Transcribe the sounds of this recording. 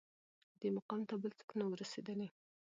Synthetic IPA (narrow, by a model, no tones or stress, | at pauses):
d̪emaqɑmt̪abəlt͡s̪ə̥knawəɾased̪əle